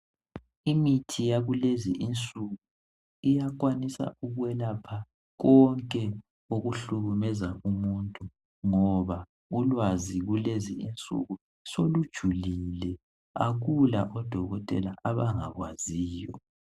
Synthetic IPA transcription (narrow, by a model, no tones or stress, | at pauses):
imitʰijaɣuleziʔint͡sʼuɣu | ijak̬ʼwanisa̰uɣwɛlapʰa | ɣɔŋkʼɛ | oɣuɬuɣumɛzaumuntʼu | ŋɔβa | ulwaziɣuleziint͡sʼṵɣu | solud̥ʒ̥ʱulilɛ | a̰ɣulaʔɔd̥ʱɔɣɔtʼɛ̰laʔaβaŋaɣwaziːjɔ̰